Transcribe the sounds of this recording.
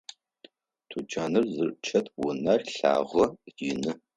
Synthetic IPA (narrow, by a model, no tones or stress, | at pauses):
tʰut͡ʃʰʼaːnɨrzɨrt͡ʃʰɐtʰwʊnɐrɬa̰ːʁɐjɪnɨ